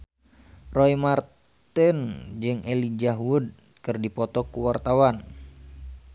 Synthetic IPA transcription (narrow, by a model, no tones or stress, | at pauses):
roimar | t̪ɛnd͡ʒɨŋʔelid͡ʒaɦwud̚ | kɨrdipɔt̪ɔkuwart̪awan